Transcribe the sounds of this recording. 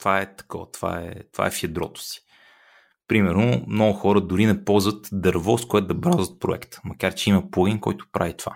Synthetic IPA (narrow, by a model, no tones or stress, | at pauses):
t̪ovaɛt̪ɐ̥kɔvt̪va̰ɛ̰t̪ova̰ɛfɐd̪ɾɔ̰t̪ʊ̥si̥ | pɾimɛɾno̰mnɔɡʊxɔɾəd̪ʊɾinɛpɔlˠzvət̪d̪ɐɾvɔskoɛt̪d̪ɐbɾazət̪̚pɾoɛ̰kt̪ə̥mɐkaɾt͡ʃɛimɐplˠoɡʲinkɔjt̪ʊ̥pɾavit̪ova